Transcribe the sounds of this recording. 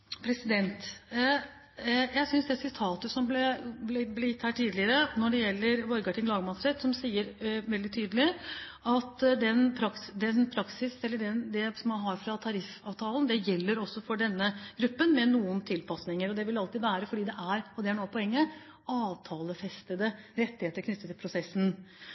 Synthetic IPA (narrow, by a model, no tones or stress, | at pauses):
pʰɾɛsɪd̪ɛnt̪ | jæɪsʏnsd̪ɛt̪sɪt̪ʰɑːt̪əsɔmblɛblɛblɛjɪt̪ːhæːʈʰiːd̪lɪəɾənɔɖɛjɛlːəɾʋɔɾɡɑʈɪŋlɑːɡəmɑsɾət̪sɔmsiːəɾʋɛld̪ɪt̪ʰyːd̪əlɪ | ɑt̪d̪ɛnpʰɾɑksd̪ɛnpʰɾɑksɪsɛlːəɖɛnd̪ɛsɔmɑnɦɑɾfɾɑt̪ʰɑɾɪfɑːʋt̪ʰɑːlnd̪ɛjɛlːəɾɔsːɔfɔɖɛnːəɡ̥ɾʉpːənmɛnuːənt̪ʰɪlpʰɑsnɪŋəɾɔd̪ɛʋɪlɑlt̪ɪːʋæːɾəfɔɖiːd̪ɛʔæɾɔd̪ɛæɳoːpʰɔɛŋːə | ɑːʋt̪ʰɑːləfɛst̪əd̪əɾɛt̪ːɪheːt̪əɾkʰnʏt̪ːət̪ʰːɪlpʰɾʊsɛsːn